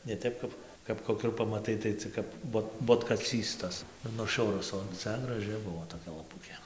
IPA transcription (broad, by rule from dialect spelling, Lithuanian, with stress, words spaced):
nʲɛ ˈtʲɛp kɐp kɐp koːˈkʲuː ɪr pɐmɐˈtɐɪ tɐɪ ˈt͡sʲɪk kɐp ˈboːt boːtkɐˈt͡sʲiːs tɐs ɪr nʊˈʃʲʊrʊs oː ˈt͡sʲɛ ɡrɐˈʒʲɪ ˈbʊʋoː toːˈkʲɛ lˠɐˈpʊkʲeː